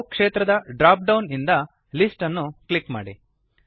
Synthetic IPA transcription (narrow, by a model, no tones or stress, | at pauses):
kʂeːt̪ɾɐd̪ɐɖɾaːp̚ɖɐwnind̪ɐ | lisʈɐnːuklikma̰ːɽḭ